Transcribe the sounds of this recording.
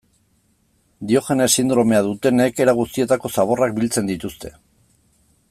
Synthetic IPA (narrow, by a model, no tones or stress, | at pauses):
d̪io̞xe̞ne̞sind̪ɾo̞me̞aðut̪e̞ne̞ke̞ɾaɣ̞ust̪ie̞t̪ako̞saβo̞rak̚bilt͡se̞nd̪it̪ust̪e̞̥